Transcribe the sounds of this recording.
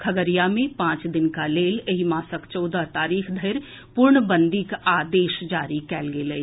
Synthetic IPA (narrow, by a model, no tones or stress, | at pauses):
kʰɐɡəɾijamẽpãːt͡ʃd̪ɪnkaleːleɦimaːsəkt͡ʃɔːd̪at̪aːɾiːxʰd̪ʱəɾ | pʊɾɳbə̃nd̪ikaːd̪eːʃd͡ʒaːɾikɛːlɡeləi